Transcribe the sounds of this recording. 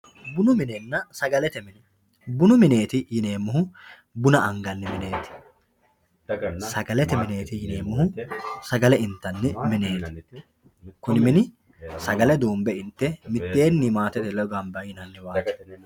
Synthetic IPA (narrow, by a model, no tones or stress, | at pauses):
bʊnʊmɪnɛnːɐsɐɡɐlɛt̪ɛmɪn | bʊnʊmɪne̞ːt̪ɪjɪne̞ːmːʊɦʊ | bʊnɐʔɐŋɡɐnːɪmɪne̞ːt̪ɪ̥ | sɐɡɐlɛt̪ɛmɪne̞ːt̪ɪjɪne̞ːmːʊɦʊsɐɡɐlɛɪnt̪ːɐnːɪmɪne̞ːt̪ɪ̥ | kʊnɪmɪnɪ | sɐɡɐlɛd̪oːmbɛɪnt̪ːɛmɪt̪ːe̞ːnːimaːt̪ɛt̪ɛlɔɡɐmbɐjɪnɐnːɪwaːt